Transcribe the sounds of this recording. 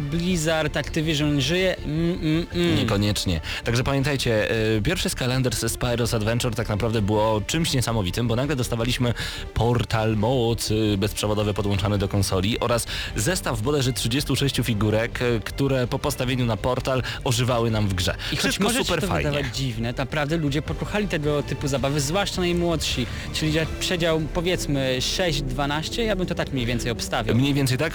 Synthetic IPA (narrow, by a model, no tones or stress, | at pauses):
blʲizaɾt̪akt̪ɨvʲjɛʐɛɔnʐɘjɛm̩ | ɲɛkɔɲɛt͡ʂɲɛ | t̪aɡʐɛpamʲjɛ̃nt̪ajt͡ɕɛpʲjɛɾfʂɛskalɛnd̪ɛɾsspajɾɔsad̪vɛnt͡ʂɛɾt̪aknapɾavd̪ɛbɘwɔt͡ʂɘmɕɲɛsamɔvʲit̪ɘmbɔnaɡlɛd̪ɔst̪avalʲiɕmɘ | pʰɔɾt̪almɔwɔt̪sɘbɛspʂɛvɔd̪ɔvɛpɔd̪wɔ̃nt͡ʂanɛd̪ɔkɔnsɔlʲiʔɔɾaszɛst̪avːbɔd̪ɛʐɛtʂɘd͡ʑest̪uʂɛɕt͡ɕufʲiɡuɾɛkkt̪uɾɛpɔpɔst̪avʲeɲunapɔɾt̪alɔʐɘvawɘnamvɡʐɛ̰iʂɔst͡ɕmɔɔsʐɛut͡ɕpɛɾɔfav̰jɲd̪avad͡ʑivnɛt̪napɾavd̪ɛlud͡ʑɛpɔkɔxalʲit̪ɛɡɔt̪ɘpuzabavɘzvwaʂt͡ʂanajmwɔt̪ʂi | t͡ʂɘlʲizɛpʂɛd͡ʑawpɔvʲjɛt̪smɘʂɛʑd͡ʑd̪vanaɕt͡ɕɛjabɘmt̪ɔt̪akmɲejvʲjɛnt̪sɛjɔpst̪avʲawmɲejvʲɛnsɛjt̪ak